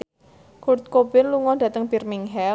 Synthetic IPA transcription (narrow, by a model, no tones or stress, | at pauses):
kurt̪̚kobɪnluŋɔd̥ä̤t̪əŋb̥irmiŋɦɛ